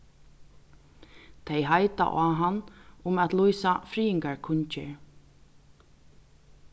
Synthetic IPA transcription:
t̪ʰejɦajt̪a̰ʔaːɦanːʊmat̪lujsafɾiːɪŋkaɹkʰʊɲt͡ʃɪ̰ɹ

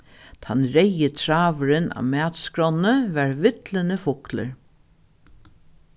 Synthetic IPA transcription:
t̪ʰanɾɛjət̪ʰɾaːʋəɾɪna̰ːʋmæːt̪skɹɔnːəʋæɹʋɪt̪lənəfʊklə̰ɹ

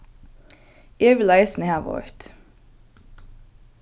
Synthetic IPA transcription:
eːʋɪlæɪsn̩əhæːʋɔ̰ɹt̪

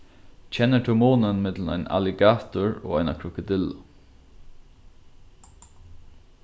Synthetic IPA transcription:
t͡ʃʰɛnːət̪ʰʊmuːnənmɪt̪ləna̰ɪna̰lɪɡaːt̪ʊɹo̰ːajnakʰɾʊkəd̪ɪlːa

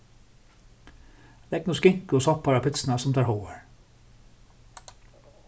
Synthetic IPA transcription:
d̪ɛɡ̚nuːskɪŋkəɔːsɔpɑɾɑpʰɪt̪sn̩ɑsɔmt̪ɑːɾhoʊə̰ɹ

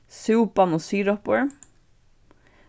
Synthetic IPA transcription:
sʉːp̚bɑnoːsyːɾɔpəɹ

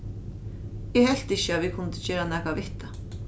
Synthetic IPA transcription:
ɛhɛl̥t̪ɪɕəavikʰʊnt̪ɪ̥t͡ɕɛːɾanɛːkavɪht̪a

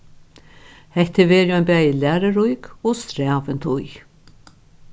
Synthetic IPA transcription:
hɛht̪ːɪvɛːɾɪɔjnpæːjɪlæːɾaɾujkɔst̪ɾæːʋɪnt̪ʰʊj

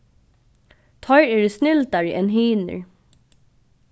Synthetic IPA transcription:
t̪ʰɔʏɹɛɾsnɪlt̪aɹəʔɛnɦiːnə̰ɹ

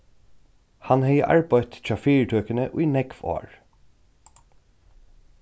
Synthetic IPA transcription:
hɑnhɛɪə̰ʔɑ̰ɹbæɪt̪t͡ʃɑːfiːɹʈʰœːkənəʔiːnɛɡfo̰ːɹ

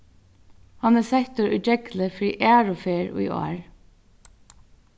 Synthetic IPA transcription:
hanɛsɛht̪ʊɹʊ̰d͡ʒɛkləfɾiːʔæːɹʊfeːɹʊ̰jɔ̰ːɹ

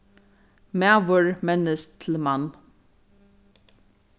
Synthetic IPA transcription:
mæʋəɹmɛnəst̪ʰɪl̩man

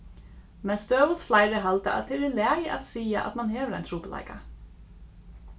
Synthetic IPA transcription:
mɛnst̪øːʋʊt̪flaɪɾəɦalt̪əʔa̰t̪̚d̪ɛɛɾɪlæːjəʔa̰t̪siːa̰ʔa̰t̪manɦɛːʋəɾa̰jnt̪ʰɾuːpəla̰ɪka

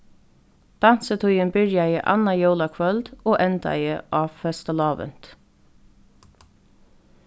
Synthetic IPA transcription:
d̪̥ɑn̥sət̪ʰʊʏənbɪɹjɑjə̰ʔɑ̰nɑjoʊlɑkʰʋœld̪oːʔɛnt̪ɑ̰jəʔɑːʋfɛst̪əlɑːʋə̰n̥t̪

